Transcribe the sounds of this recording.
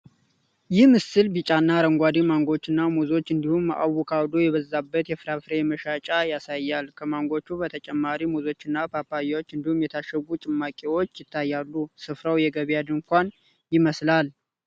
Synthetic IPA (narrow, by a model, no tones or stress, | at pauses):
jɪhmɨsɨlbit͡ʃʼanːaɾəŋɡʷad̪imaŋɡo̞t͡ʃːɨnːamuzo̞t͡ʃːɨnd̪ihumːaʔa̰wukʰawd̪ojɛβəzːabːət̪jɛfɨɾafɾejɛməʃat͡ʃʼajasajːalkʰəmaŋɡo̞t͡ʃːubət̪ʰət͡ʃʼɛmːaɾimuzo̞t͡ʃːɨnːapʰapːajawot͡ʃːɨnd̪ihumjɛt̪ʰaʃəɡut͡ʃʼɪmːakʼiwo̞t͡ʃːjɪt̪ʰːajːalːusɨfɾəwjɛɡəβjad̪ɨŋkʷan | jɪməslal